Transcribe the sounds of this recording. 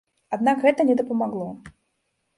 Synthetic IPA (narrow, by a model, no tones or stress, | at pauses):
ad̪nakɣɛt̪ɐnʲɛd̪ɐpɐmaɣlˠɔ